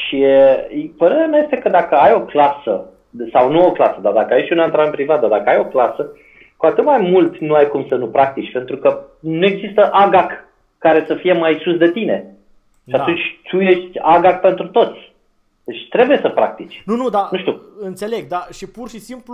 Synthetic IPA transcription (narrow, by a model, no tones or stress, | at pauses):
ʃi | pəɾe̞ɾeamʲjaje̞st̪e̞kəd̪akəajo̞klasə̰ | sawnuo̞klasəd̪ard̪akəajeʃʲunant̪ɾanpɾivat̪̚d̪ad̪akəajo̞klasə | kuat̪ɨt̪majmult̪nuajkumsənupɾak̚t̪it͡ʃʲpe̞nt̪ɾukənue̞ɡzist̪əʔaɡakː | aɾe̞səfije̞majsusd̪e̞t̪ine̞ | ʃiat̪unt͡ʃʲt̪ʰuje̞ʃt̪ʲaɡak̚pe̞nt̪ɾut̪o̞t̪sʲ | d̪̥e̞t͡ʃʲt̪ɾe̞buje̞səpɾa̰k̚t̪it͡ʃʲnunud̪anuʃt̪ʲuɨnt̪seleɡ̚d̪aʃipurʃisimplu